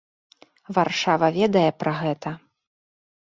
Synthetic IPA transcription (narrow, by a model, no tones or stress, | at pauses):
varʂavɐvʲɛd̪ɐjɛpɾɐɣɛt̪ɐ